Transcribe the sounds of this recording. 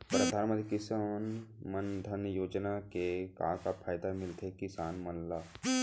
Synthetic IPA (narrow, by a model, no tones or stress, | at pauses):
pɾəd̪ʱaːnmə̃t̪ikɪsanmənd̪ʱənjoːd͡ʒnakekã̰ːkapʰaːjd̪amɪlt̪ʰekɪsaːnmɐnlaː